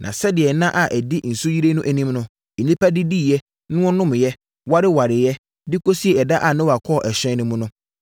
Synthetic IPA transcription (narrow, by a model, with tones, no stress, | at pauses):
nʔã̰˨sɛ˦dɪ˨ɛ˨nã˦ʔa˨ʔɛ˨dɪ˦n̩˨su˦ji˦ɾe˦nʊ̃˦ʔæ˨nĩ˦mnʊ̃˦ | e˨nĩ˦pʰæ˦dɪ˦di˦˨jɛ˦ | nʊ̃˦ʊ̃˦nʊ̃˦m˨jɛ˦ | wa˦ɾɪ˦wa˨ɾɪ˨jɛ˦ | dɪ˦kʰo˦si˦e˨ɛ˨da˦ʔa˨nã˦wa˨kʰɔ˦˨ʔɛ˨ɕᶣɛ̃˦nʊ̃˦mʊ̃˦nʊ̃˦